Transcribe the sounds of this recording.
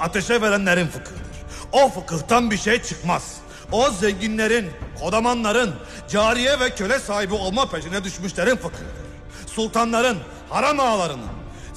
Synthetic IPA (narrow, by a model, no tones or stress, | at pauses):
at̪ʰeʃɛveɾænlʲeɾinfɯkʰɯhd̪ɯɾ̥ | ofɯkɯht̪ʰanbiɾʃejt͡ʃʰɯkmaz̥ | ozɛɲɟinlʲe̞ɾinkʰo̞d̪amanlˠaɾɯn | d͡ʒaːɾijɛvɛcʰø̞lʲɛsaːɦibio̞lˠmapʰeʃinɛd̪yʃmyʃlˠeɾinfɯkʰɯd̪ɯɾ̥ | sulˠt̪ʰanlˠaɾɯn | haɾamaːlˠaɾɯnɯ̰n